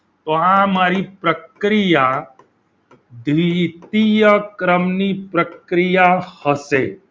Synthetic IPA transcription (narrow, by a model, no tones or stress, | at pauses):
t̪oãmaːɾipɾəkɾija | d̪ʱʋit̪ijəkɾəmnipɾəkɾijahəse